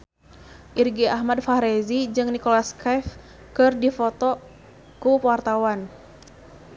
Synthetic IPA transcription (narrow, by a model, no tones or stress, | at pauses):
ʔirɡiaɦmadfaɾezid͡ʒɨŋnikolaskaf | kɨrdifɔt̪ɔ | kupwart̪awan